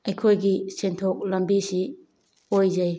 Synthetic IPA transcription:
ɐjkʰojɡisentʰok̚lɐmbisi | ojzɐj

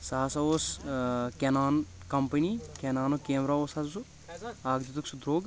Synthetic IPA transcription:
saːsɐoskenaːn | kɐmpɐnikʲenaːnokeːmɾaoːsasusu | aːɡd͡ʒ̪it̪uksud̪ɾoːɡ

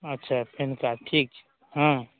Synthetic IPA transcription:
ətːʃʰapʰenkaʈʰiːk | ɦã

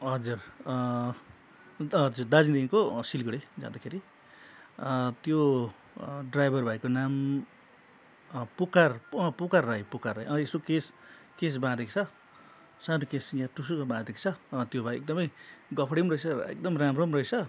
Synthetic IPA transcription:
ɦʌd͡zur | ʌd͡zurd̪ad͡zid̪eikosilɡʌɽed͡zã̰d̪akʰeɾi | t̪jo | ɖrajbʱʌrbʱajkonam | pukarpukarːajpukaraʌesokes | kes̬bãd̪ekt͡sʰʌ | sanokesɡãʈusukabãd̪ekt͡sʰʌt̪jobʱajek̚d̪ʌmʌjɡʌpʰɽimrʌet͡sʰʌ̰ḛk̚d̪ʌmramromrʌjt͡sʰʌ

